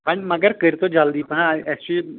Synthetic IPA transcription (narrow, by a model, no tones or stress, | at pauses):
pɐnmɐɡəɾkəɾt̪od͡ʒald̪ipɐɦãɛsi